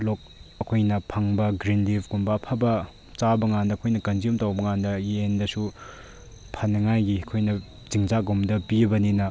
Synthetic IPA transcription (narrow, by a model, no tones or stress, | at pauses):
lok̚ɐkʰojnɐpʰaŋbɐɡɾinlibɡumbɐːpʰɐbɐ | t͡ʃabɐŋandɐːɐkʰojnɐkɐnd͡ʒiomtawbɐŋandɐjendɐsu | pʰɐnɐŋajɡiɐkʰojnɐ | ziŋzaɡomdɐpibɐninɐ